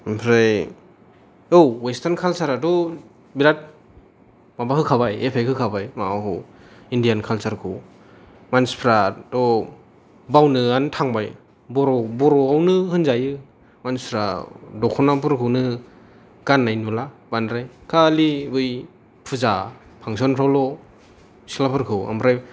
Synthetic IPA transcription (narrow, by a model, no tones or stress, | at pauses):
pʰɾaj | owwestankʰalsaɾadɔ | biɾat̚ | mabahɯkʰabajepʰajkʰɯkʰabajmaawɦɯ | indijankʰalsaɾkʰɯ | manspʰɾadɔ | bawnɯantʰaŋbaj | bɔɾɔbɔɾɔawnɯhɯnzajɯ | manspʰɾa̰dɔkʰɔnap̬ɯɾkʰɯwnɯ | ɡ̥anːajnulabanɾajkʰalibɯj | pʰɯza | pʰaŋs̬ɔnpʰɾawlɔ | si̥lapʰɯɾkʰɯwa̰mɾaj